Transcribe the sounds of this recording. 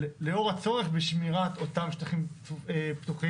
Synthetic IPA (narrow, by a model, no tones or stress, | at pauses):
leo̞ʁhat͡so̞ʁe̞χbeʃmiʁat̪ot̪amʃtaχimept̪uχi